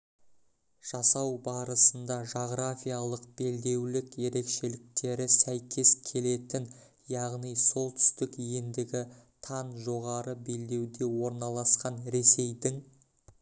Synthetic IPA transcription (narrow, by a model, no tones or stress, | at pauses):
ʒ̥ɑsɑwbɑɾəsənd̪ɑʒo̞ʁɾafʲijalˠəq̚b̥e̞ld̪e̞wlɪkje̞ɾe̞kʃe̞lɪk̚t̪e̞ɾɪsæjkʲʰe̞skʲʰe̞le̞t̪ɪn | jɑʁnijso̞lˠt̪ʰʏ̥st̪ɪkjend̪ɪɡʲɪt̪ʰɑnʒo̞ʁɑɾəbe̞ld̪e̞wd̪e̞wo̞ɾnɑlˠɑsqɑnɾe̞se̞jd̪ɪŋ